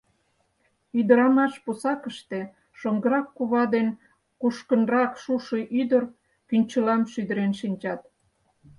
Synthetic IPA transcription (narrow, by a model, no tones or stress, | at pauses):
yd̪əɾɑmɑʃposɑkəʃt̪e̽ | ʃoŋɡəɾɑkːuβɑd̪en | kuʃkənrɑkʃuʃəʔyd̪ər | kynʲt͡ɕəlɑmʃyd̪əɾenʃinʲt͡ɕɑt̪̚